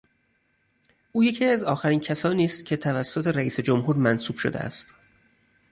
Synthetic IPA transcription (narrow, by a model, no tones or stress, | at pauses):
ʔuːje̞cʰiːæzɒːxæɾiːncʰæsɒːniːst̪cʰe̞t̪ʰævæsːot̪ʰe̞ɾæiːsed͡ʒo̞mɦuːɾmænsuːb̥ʃod̪ḛæ̰st̪